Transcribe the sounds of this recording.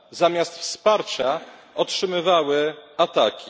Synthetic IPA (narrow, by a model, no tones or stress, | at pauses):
zamʲjast̪fspaɾt͡ɕa | ɔtʂɘmɘvawɘat̪akʲi